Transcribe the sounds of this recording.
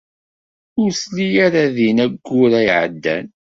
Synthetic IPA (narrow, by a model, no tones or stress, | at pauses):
ʊɾslijaɾaðinæɡːʊɾæjʕə̰d̪ːæ̰n